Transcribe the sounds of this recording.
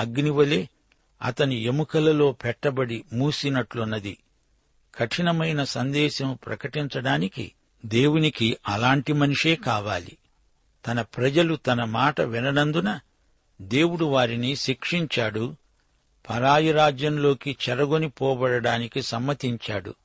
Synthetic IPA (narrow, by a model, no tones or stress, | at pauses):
ɐɡniʋɐleː | ɐ̰t̪ɐniemukɐlɐlo̞ːpɛʈːɐbɐɽimuːsinɐʈlunːɐd̪i | kʰɐʈʰinɐmɐjnɐsɐnd̪ɛːʃɐmupɾɐ̰kɐʈiɲt͡ʃɐɽaːnikḭ | d̪e̞ːwunikiɐlaːɳʈimɐnuʂe̞ːkaːʋaːlḭ | t̪ɐnɐpɾɐd͡ʒɐlut̪ɐnɐmaːʈɐʋinɐnɐnd̪unɐ | d̪e̞ːwuɽuʋaːɾiniʃikʂiɲt͡ʃaːɽu | pʰɐɾaːjɐɾaːd͡ʒjɐnlo̞ːkit͡ʃɛɾɐɡonipɔːbɐɽɐɽaːnikisɐmːɐt̪iɲt͡ʃa̰ːɽṵ